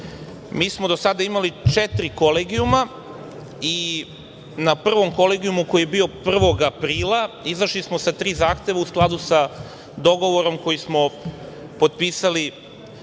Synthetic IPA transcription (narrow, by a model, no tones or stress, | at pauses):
miːsmod̪osad̪aimalit͡ʃet̪ɾiko̞leːɡiuma | i | napr̩ʋo̞mko̞leɡiumuko̞jijebio̞pr̩ʋo̞ɡapɾiːlaizaʃlismo̞sat̪ɾiːzaːxt̪e̞ʋausklˠad̪usa | d̪o̞ɡo̞ʋo̞ɾo̞mko̞jismo̞ | pod̪̚piːsali